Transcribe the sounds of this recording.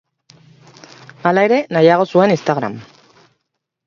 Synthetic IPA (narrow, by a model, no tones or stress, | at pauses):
alae̞ɾe̞najaɣ̞o̞sue̞nist̪aɣɾa̰m